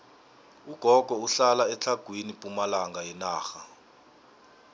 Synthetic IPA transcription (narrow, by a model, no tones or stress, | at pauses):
uɡ̥ʱɔɡ̥ʱɔuɬalaɛt͡ɬʰaɡ̥ʱwinipʼumalaŋɡajɛnaːxa